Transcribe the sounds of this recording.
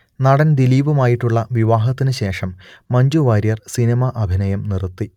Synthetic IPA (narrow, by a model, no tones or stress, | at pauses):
nɐɽɐnd̪iliːʋumaːjiʈːuɭːɐʋiʋaːɦɐt̪ːinɨɕe̞ːʂɐmːɐɲd͡ʑuʋaːɾjɐrsinɐmɐʔɐbʱinɐjɐmnirt̪ːi